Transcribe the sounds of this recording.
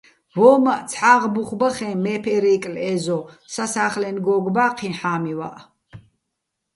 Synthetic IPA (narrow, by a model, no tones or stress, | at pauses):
vɔːmaʔt͡sʰħaːʁbuχbaχɛ̃ːmɛːpʰɛɾɛːkʼlɛːzɔsasaːχlɛnɡɔːɡbaːqʰinħaːmiwa̰ʔ